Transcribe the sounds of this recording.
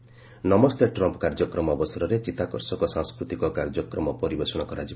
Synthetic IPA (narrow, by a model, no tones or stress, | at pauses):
nɔmɔst̪eʈɾɔmpɔkaɾd͡ʒɔkɾɔmɔɔbɔsɔɾɔɾet͡ʃit̪akɔɾsɔkɔsãŋskɾut̪ikɔkaɾd͡ʒɔkɾɔmɔpɔɾibesɔɽ̃ɔkɔɾad͡ʒi